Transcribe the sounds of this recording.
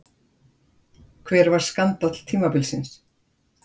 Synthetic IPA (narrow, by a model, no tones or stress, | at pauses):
kʰvɛːɾvaɾ̥skant̪at̪l̥t̪ʰiːmapɪlsɪns